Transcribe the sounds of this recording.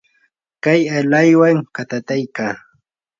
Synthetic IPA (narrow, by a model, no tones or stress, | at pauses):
kajalajwaŋkat̪at̪ajkaː